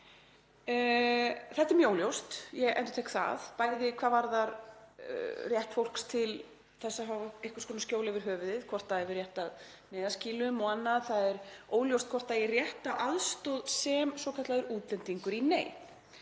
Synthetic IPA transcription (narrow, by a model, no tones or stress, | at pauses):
θɛht̪ɪɾmjoːwljowst̪jɛɣɛ̰nt̪ʏ̥t̪ʰeːkθa̰ðpaːjðɪkʰvaːðvaɾðaɾ | rjɛht̪fowl̥kst̪ʰɪl | θɛsːaɦavehkʏɾ̥skʰɔnascoːwlavɪɾ̥ɦœːvʏðɪðkʰvɔr̥t̪aðɛvɪrjɛht̪að | nɛːðasciːlʏmɔanːaðθaðɛɾoːwljowst̪̚kʰvɔr̥t̪airjɛht̪aʔaðst̪owðsɛmsɔwkʰat̪laðɛɾuːt̪lɛnt̪iŋkʏɾinḛːj